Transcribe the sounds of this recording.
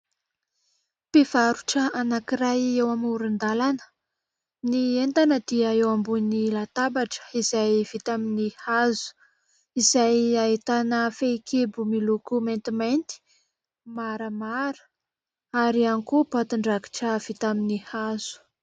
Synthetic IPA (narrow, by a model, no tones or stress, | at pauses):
pivaɾuʈ͡ʂəanakiɾajewamuɾind̪alanə̥ | nient̪anəd̪̥iaewambunilat̪abaʈ͡ʂə̥izajv̥it̪aminihazu̥ | izajait̪anəfekʰebumilukument̪iment̪i̥ | maɾəmaɾə̥ | aɾianikupat̪uɳɖ͡ʐaki̥ʈ͡ʂəv̥it̪aminihazu̥